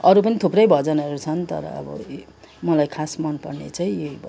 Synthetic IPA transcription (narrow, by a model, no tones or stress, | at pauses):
ʌɾupʌnit̪ʰuprʌjbʱʌd͡zʌnʌɾut͡sʰʌnt̪ʌ̰ɾʌ̰ːbʌ̰ | mʌlajkʰasmʌnpʌrnḛt͡saĩeib